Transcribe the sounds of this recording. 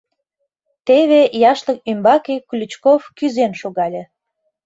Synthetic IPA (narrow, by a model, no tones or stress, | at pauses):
t̪eβejɑʃlək̚ymbɑkeklʲut͡ɕkofkyzenʃoɣɑlʲĕ